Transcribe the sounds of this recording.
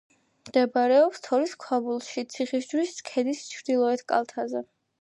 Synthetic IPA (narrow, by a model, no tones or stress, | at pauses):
md̪̥ɛbaɾɛɔpst̪ʰɔɾiskʰwabulˠʃit̪sʰiχisd͡ʒɾiskʰɛd̪ist͡ʃʰɾd̪ilˠɔɛt̪ʰkʼa̰lˠt̪ʰazɛ